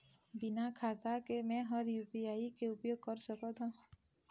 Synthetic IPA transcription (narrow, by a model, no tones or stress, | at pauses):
bɪnakʰaːt̪akemɛ̃ɦəɾjuːpiaːikeʊpjoːɡ̚kəɾsəkət̪ɦõ